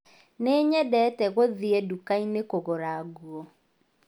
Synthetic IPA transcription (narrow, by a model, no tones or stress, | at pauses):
neːɲɛdɛtɛɣoðiɛdukainekoɣoɾaɣuɔ